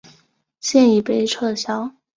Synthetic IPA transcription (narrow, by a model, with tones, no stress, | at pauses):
ɕjɛ˥˩ni˨˩pe˧˥ɪʈ͡ʂʰɤ˥˩ɕjɑ˥ʊ